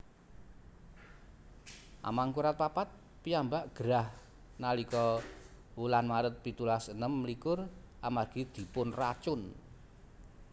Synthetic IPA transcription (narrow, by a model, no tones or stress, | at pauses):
ʔa̰maŋkuɾat̪̚papat̪̚ | piambaʔɡ̥əɾah | nalikɔ | wulanmaɾət̪̚pit̪ulasənəmːlikʊramarɡ̥id̪̥i̤pʊnrat͡ʃʊn